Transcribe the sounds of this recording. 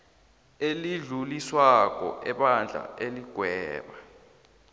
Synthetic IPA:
eliɮuliswak̬ɔ̰ʔɛɓand͡ɮʱa̰eliɡ̥ʱwɛːɓa

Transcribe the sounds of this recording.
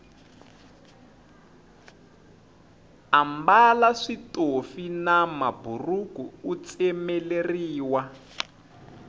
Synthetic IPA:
ambalaʂitofinamaburukuːt͡sɛmɛleriːwa

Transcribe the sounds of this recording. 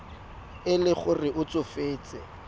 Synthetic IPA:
ɪlɪχʊrɪʔʊt͡sʊfeːt͡sʼɛ

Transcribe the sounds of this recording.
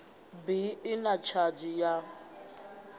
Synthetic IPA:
biɪnat͡ʃʰad͡ʒija

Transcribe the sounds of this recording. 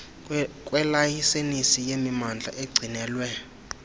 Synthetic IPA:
kʼwɛlajisenisijemimand͡ɮʱa̰ʔeɡ͡ǀʱinɛːlwɛ

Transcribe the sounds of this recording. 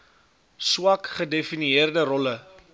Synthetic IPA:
swɐkχədefiniərdəɾɔlə

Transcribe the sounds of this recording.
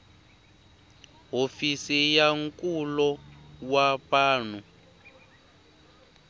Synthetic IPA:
ɦofisijaŋkʼulɔwaβaːn̤u

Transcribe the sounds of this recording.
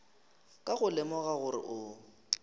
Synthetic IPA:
kʼaɣʊlɪmɔɣaɣʊrɪ̰ʔʊ

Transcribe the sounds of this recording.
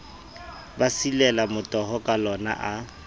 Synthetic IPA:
basilɛlamʊtʼɔɦɔkʼalɔna̰ʔa

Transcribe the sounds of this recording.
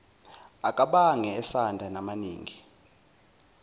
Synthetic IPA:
akʼaɓaŋɛɛsandʱanamanḭːŋi

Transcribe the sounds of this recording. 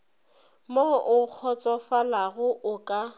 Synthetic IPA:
moʔʊk͡xʰɔt͡sʼɔfalaɣʊʔʊkʼa

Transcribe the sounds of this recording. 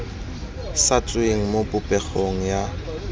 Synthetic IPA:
sat͡sʼeŋ̩mopʼʊpʼɛk͡xʰoŋ̩ja

